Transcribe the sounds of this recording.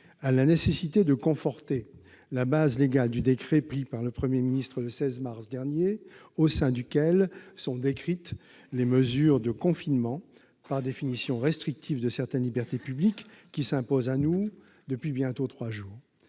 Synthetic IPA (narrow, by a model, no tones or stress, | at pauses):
alanesesit̪ed̪əkɔ̃fɔʁt̪e | labazleɡald̪yd̪ekχɛpχipaʁləpχəmjeminist̪χələsɛzmaʁsd̪ɛʁnje | osɛ̃d̪ykʲɛlsɔ̃d̪ekχit̪ | leməzyːʁd̪əkɔ̃finmɑ̃ | paʁd̪efinisjɔ̃ʁɛst̪χik̚t̪ʰivd̪əsɛʁt̪ɛnlibɛʁt̪epyblikːisɛ̃pozanu | d̪əpɥibjɛ̃t̪ot̪χwaʒuːʁ